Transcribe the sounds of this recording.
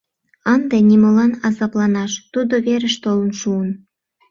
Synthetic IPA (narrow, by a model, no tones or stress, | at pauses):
ənd̪eniməlɑnɑzɑplɑnɑʃt̪ud̪oβeɾəʃt̪olənʃuən